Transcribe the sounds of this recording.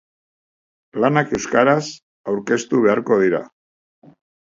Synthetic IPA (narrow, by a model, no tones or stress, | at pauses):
lanake̞wskaɾas | awɾke̞st̪uβ̞e̞aɾko̞ð̞iɾa̰